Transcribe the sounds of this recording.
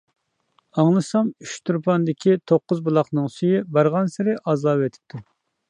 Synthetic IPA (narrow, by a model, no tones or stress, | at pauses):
ɑŋlˠɨsɑmyʃt̪ʰuɾpʰɑnd̪ɪkʲʰit̪ʰoqːʊzbulˠɑqnɨŋsyjibɑɾʁɑnsɪɾɪʔɑzɑːbet̪ʰɪ̥p̚t̪ʰu